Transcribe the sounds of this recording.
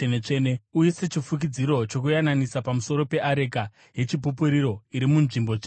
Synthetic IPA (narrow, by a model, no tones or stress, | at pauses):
enet͡ʂeneujise̞t͡ʃifuk̬id͡ziɾo̞t͡ʃo̞kujananisapamuso̞ɾo̞pe̞ʔaɾeka | je̞t͡ʃip̬upuɾiɾo̞iɾimunʐimbo̞e